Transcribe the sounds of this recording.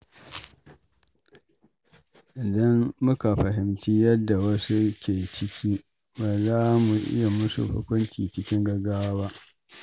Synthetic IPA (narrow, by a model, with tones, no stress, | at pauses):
ʔɪ˨dɐ˦mːʊ˦ka˨ɸɐ˨ɦɪ˨mt͡ʃi˦jɐ˦dːa˨wɐ˦su˦kʲʰeː˨t͡ʃɪ˦kʲʰiː˦ | baː˨zaː˦mu˨ʔɪ̰˦ja˨mʊ˦sṵ˨ɸʊ̰˦kʷʊ˦nt͡ʃʲḭː˨t͡ʃɪ˦kʲɪ˦ŋɡɐ˦ɡaː˦waː˦ba˦ʔ